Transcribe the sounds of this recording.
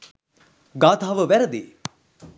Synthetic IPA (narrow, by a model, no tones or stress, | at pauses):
ɡaːt̪aːʋəʋæɾəd̪eː